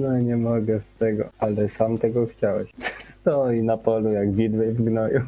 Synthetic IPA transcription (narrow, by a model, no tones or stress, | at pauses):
nɔɲɛmɔɡɛst̪ɛɡɔ̰alɛsamt̪ɛɡɔxt͡ɕawɛɕɛ̥st̪ɔinapɔlujaɡvʲid̪wɛvɡnɔju